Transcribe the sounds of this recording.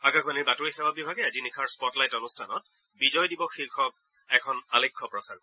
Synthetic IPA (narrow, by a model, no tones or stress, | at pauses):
aɡakʰxbaniɹbatoɹixɛwabibʱaɡɛazinikʰaɹspɔtlajtɔnustʰanɔt̚ | bizɔjdibɔxilkʰɔb̚ | ɛkʰɔnalekʰːɔpɹɔsa̰ɹ